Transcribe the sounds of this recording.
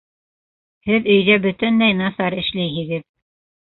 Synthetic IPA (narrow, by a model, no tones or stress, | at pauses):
hɘðɵ̆jðæbɵ̆t̪ɘnlæjnɑsɑɾɘ̆ʃlæjɦɘ̆ɡɘð